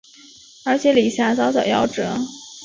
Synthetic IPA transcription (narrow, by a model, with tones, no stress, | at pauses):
ə˞˧˥t͡ɕʰjɛ˧˥li˨˩ɕja˧˥t͡sɑ˧˥ʊt͡ɕɑ˨˩ʊjɑ̰˥˩ʊʈ͡ʂɤ˧˥˦